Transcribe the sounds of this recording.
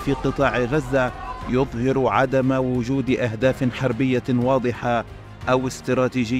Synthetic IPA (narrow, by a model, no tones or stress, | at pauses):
fiːqɨt̪ˤɑːʕɪɣazːajʊðˤhɪɾʕad̪amawʊd͡ʒuːd̪ʔaɦd̪aːfħɑɾˤbɪjːawɑːd̪ˤɨħa | ʔawɪst̪ɾˤɑːt̪iːʒɪ